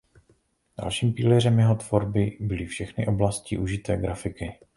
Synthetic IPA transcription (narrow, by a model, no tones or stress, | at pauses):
d̥a̰lʃiːmpiːlɛr̝ɛmjɛɦo̞t̪v̥o̞ɾbɪbɪlɪfʃɛxnɪ̰ʔo̞blasciʔuʒɪt̪ɛːɡɾafɪkɪ